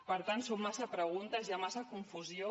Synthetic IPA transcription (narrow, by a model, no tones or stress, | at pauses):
pəɾt̪ansomːasəpɾəɣ̞unt̪əzjamasəkuɱfuzio